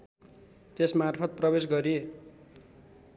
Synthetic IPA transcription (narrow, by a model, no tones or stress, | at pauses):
t̪esmarpʰʌt̪̚prʌbesɡʌɾi